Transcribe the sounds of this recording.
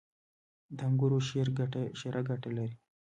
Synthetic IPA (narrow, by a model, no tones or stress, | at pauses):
d̪aŋɡuɾoʃeɾɡaʈeʃeɾʔaɡaʈelaɾi